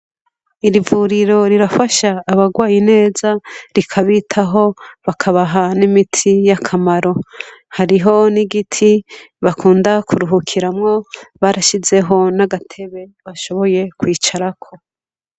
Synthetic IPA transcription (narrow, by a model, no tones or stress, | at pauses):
iɾivuɾiɾo̞ɾiɾafaʃaːβaɡwaːjine̞ːzaɾikʰaβitʰaɦo̞βakʰaβaɦanimitʰijakʰamaɾo̞haɾiɦo̞niɡitʰiβakʰuːndakʰuɾuɦukʰiɾamŋo̞βaɾaʃize̞ɦo̞naɡatʰe̞βe̞βaʃo̞βo̞je̞kwiːt͡ʃaɾakʰo̞